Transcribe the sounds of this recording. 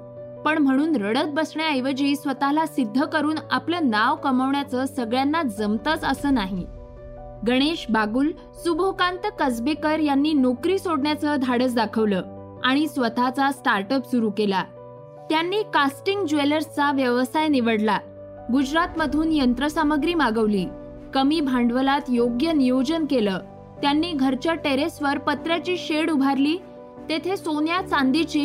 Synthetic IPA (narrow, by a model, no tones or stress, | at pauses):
pəɳm̤əɽ̃uːnɾəɽət̪̚bəsɳaəjʋəd͡ʑiːsʋət̪alasid̪ʱːəkəɾuːnapləːnaʋkəməʋɳjat͡səːsəɡɭjanːad͡zəmt̪ət͡səsəːnaɦi | ɡəɽ̃eɕbaɡuːl | subʱokant̪əkəd͡zbekəɾjanːiːnokɾiːsoɽɳjat͡səd̪ʱaɽəs̬d̪akʰəʋləː | aɽ̃isʋət̪at͡sasʈaɾʈəpsuɾuːkela | t̪janːiːkasʈiŋɡd͡ʑʋeləɾst͡saʋjəʋəsajniʋəɽla | ɡud͡ʑɾat̪məd̪ʱuːnjənt̪ɾəsaməɡɾiːmaɡəʋliː | kəmiːbʱãɳɖʋəlat̪joɡjənijod͡ʑənkeləː | t̪janːiːɡʱəɾt͡ɕjaʈeɾesʋəɾpət̪ɾjat͡ɕiːɕeɽubʱaɾliː | t̪et̪ʰesonjat͡sãnd̪it͡ɕiː